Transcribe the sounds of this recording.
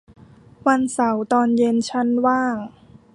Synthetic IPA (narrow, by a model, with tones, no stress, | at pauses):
wa˧nsa˩˦wt̪ɔː˧nje˧nt͡ɕʰa˦˥nwaː˥˩ŋ